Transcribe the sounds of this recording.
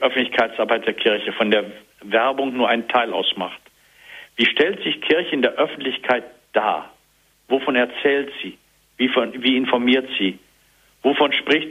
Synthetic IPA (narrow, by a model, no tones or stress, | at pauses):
ʔœfn̩tlɪçkʰaɪtt͡sʔaɐbaɪt̚d̥eːɐkʰɪɐçəfɔndeːɐ | vɛɐbʊŋnuːɐʔaɪntʰaɪla̰ʊsma̰χt | v̥iːʃtɛltz̥ɪçkʰɪɐçəɪndeːɐʔœfn̩tlɪçkʰaɪt̚ | d̥a̰ː | vofɔnɛɐt͡sɛːltz̥iː | viːfɔnviːɪnfɔɐmiːɐtz̥iː | vofɔnʃpʁ̥ɪçt